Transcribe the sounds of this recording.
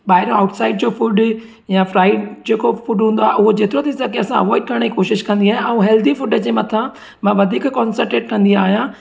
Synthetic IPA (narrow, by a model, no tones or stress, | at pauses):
ɓaːɦɪɾjõaːʊʈsaːɪɖd͡ʑofuɖ | jãfɾaːɪɖd͡ʑeːkofʊɖɦũːn̆d̪oaɦeʔʊɦod͡ʑeːt̪ɪɾot̪ʰisɐɡeɐsãʋoːiʈkʰɐɽ̃ikoːʃɪʃkɐ̃nd̪iaːɦẽʔɛ̃ɦɛːld̪ifʊɖəd͡ʑeːmɐt̪ʰã | mãːʋɐd̪ʱiːkkɔːnsəɾʈeːʈkɐ̃nd̪iaːɦijã